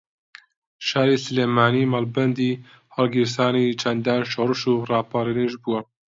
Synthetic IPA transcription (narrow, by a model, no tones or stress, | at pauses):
ʃɑːɾeːsɨleːmɑːniːmaːlbɛnd̪iː | hɑlɡiɾsɑːniːt͡ʃʰɛnd̪ɑːnʃoɾɨʃuːrɑːpaːɾineʒbuwɛ